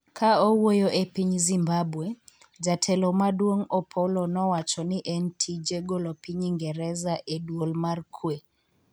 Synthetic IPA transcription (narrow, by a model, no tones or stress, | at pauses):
kʰaowojoʔepiɲzimbabwe | d͡ʒatʰɛlɔmadwoŋɔpʰɔlɔnɔwat͡ʃɔnɪʔɛntʰid͡ʒeɡolopiɲiŋɡɛɾɛzaʔedwolmarkʰwe